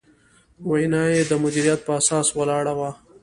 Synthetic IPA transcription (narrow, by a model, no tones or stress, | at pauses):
wajnɑjed̪əmʊd̪iɾijat̪̚pəasɑːswəlɑɽawa